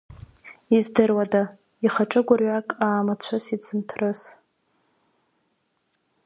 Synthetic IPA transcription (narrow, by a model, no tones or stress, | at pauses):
izdɨrwada | iχaʈ͡ʂʼɨɡʷʊrɥakʼaːmat͡ɕʷʰasit͡sʰɨmtʰrɨs